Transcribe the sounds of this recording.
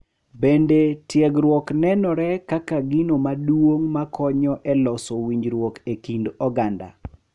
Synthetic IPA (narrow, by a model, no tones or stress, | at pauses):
bendetjɛɡɾwɔknɛnɔɾɛkakaɡinomadwwoŋmakʰɔɲɔʔɛlɔsowiɲd͡ʒɾwɔkekindɔɡanda̰